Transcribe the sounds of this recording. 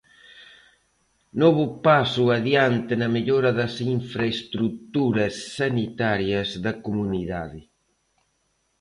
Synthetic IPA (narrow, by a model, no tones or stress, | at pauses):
nɔβʊpasʊaðjant̪ɪnɐmeʎoɾɐðɐsiɱfɾɐest̪ɾut̪uɾɐsːɐnit̪aɾjɐzðɐkumuniðaðɪ